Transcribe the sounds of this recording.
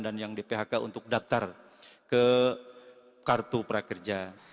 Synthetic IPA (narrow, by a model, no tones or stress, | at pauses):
danjaŋdipeɦakaunt̪ʊk̚daf̚t̪ar | kə | kart̪upəɾakərd͡ʒa